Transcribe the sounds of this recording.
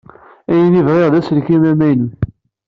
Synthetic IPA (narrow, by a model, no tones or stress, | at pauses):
æjnivʁeʁðæslkimæmæjnu